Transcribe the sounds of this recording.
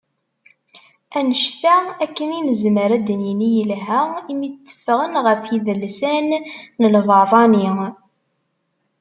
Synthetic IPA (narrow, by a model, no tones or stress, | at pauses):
ænəʃt̪æækːəninəzməɾæd̪ənjinijəlɦæimit͡sːə̥fːʁənʁəfjiðəlsænːəlvəðˤɑni